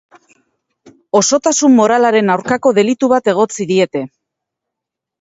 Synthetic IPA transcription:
o̞so̞t̪asumːo̞ɾalaɾe̞nawɾkako̞ðe̞lit̪uβat̪e̞ɣ̞o̞t͡siðie̞t̪e̞

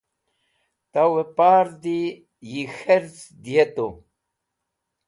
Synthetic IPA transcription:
t̪awepaɾd̪i | jixeɾz | d̪ijet̪o

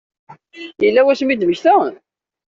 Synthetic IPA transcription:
jəlːæwæsmid̪məçθæ

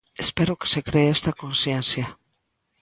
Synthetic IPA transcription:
espeɾoksekɾeːst̪akonsiensia

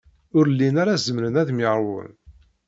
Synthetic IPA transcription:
ʊɾlːinaɾazəmɾənæðmiʕɾˤwə̰n

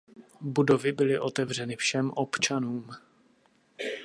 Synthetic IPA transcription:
budo̞vɪbɪlɪʔo̞t̪ɛvr̝ɛnɪfʃɛmʔo̞pt͡ʃanuːm

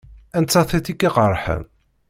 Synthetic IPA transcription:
ænt͡sːɑθiθikːiqərˤħə̰n

